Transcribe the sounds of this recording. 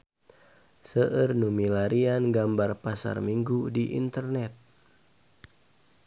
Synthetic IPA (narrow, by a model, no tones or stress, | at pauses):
səʔərnumilaɾianɡambarpasa̰rmiŋɡudiʔḭnt̪ərnɛt̪̚